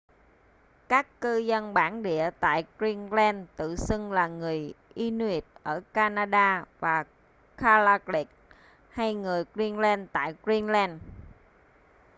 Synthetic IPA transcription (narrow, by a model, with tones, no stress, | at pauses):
kaː˦˥kːɨ˧zə˧nɓaː˧˩nɗḭ˧˨ət̪a̰ː˧˨jkɹi˧nlɛ˧nt̪ɨ̰˧˨sɨ˧ŋlaː˨˩ŋɨ˨˩əjʔi˧n˧i˦˥t̚ʔəː˧˩kaː˧naː˧ɗaː˧vaː˨˩ | kʰaː˧laː˧kli˦˥k̚ | ha˧jŋɨ˨˩əjkɹi˧nlɛ˧nt̪a̰ː˧˨jkɹi˧nlɛ˧n